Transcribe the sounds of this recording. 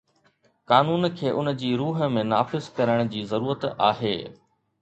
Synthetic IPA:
kaːnuːnkʰeːʔʊnəd͡ʑiːɾuːɦə̆mẽnaːfɪzkɐɾəɽ̃ʊ̆d͡ʑiːzɐɾuːɾət̪aːɦeː

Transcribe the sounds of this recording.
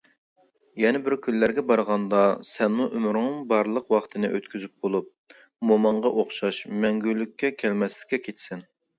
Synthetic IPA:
jɛnɛbɪɾkʲʰynlːæɾɡʲɛbɑɾʁɑnd̪ɑsɛnmuʔymɾnɨŋbɑɾlˠəqwɑχt̪ʰɨnɨ̰ʔøt̪kʲʰyzyp̚bolˠup̚ | momɑɴʁɑʔoχʃɑʃmɛŋɡʲylːykʲːɛkʲʰɛlmɛslɪ̥kʲːɛkʲʰet̪ʰsɪn

